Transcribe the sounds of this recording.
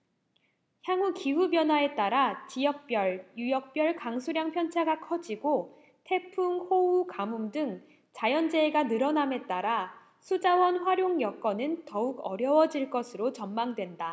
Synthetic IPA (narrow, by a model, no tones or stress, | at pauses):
çjaŋɦukiɦubjʌnɦwae̞t͈aɾat͡ɕijʌk̚p͈jʌɭjujʌk̚p͈jʌɭkaŋsʰuɾjaŋpʰjʌnt͡ɕʰaɡakʰʌd͡ʑiɡo | tʰe̞pʰuŋhoukamumdɯŋ | t͡ɕajʌnd͡ʑe̞ːɡanɯɾʌname̞t͈aɾa | sʰud͡ʑawʌnɸwaɾjoŋjʌk͈ʌnɯntʌuɡʌɾjʌwʌd͡ʑiɭk͈ʌsʰɯɾot͡ɕʌmmaŋdwe̞nda